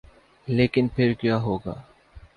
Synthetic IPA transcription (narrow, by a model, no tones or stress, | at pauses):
leːkɪnpʰɪɾkjaːɦoːɡa̰ː